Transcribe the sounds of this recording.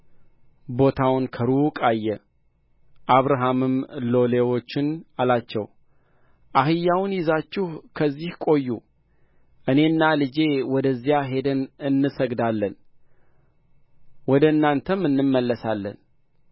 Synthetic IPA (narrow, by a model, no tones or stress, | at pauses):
bo̞t̪ʰawnkʰəɾukʼajːɛ | ʔaβɾaɦamɨmlo̞lewo̞t͡ʃːɪnalat͡ʃːɛw | ʔaɦɨjːawnjɪzat͡ʃːɪhkʰəzːihkʼo̞jːu | ʔɨne̞ɨnːalɨd͡ʒe̞wɔd̪əzːijaɦe̞d̪ənɨnːɨsəɡd̪alːən | wɔd̪əɨnːant̪ʰəmɨnːɨmːəlːəsalːə̰n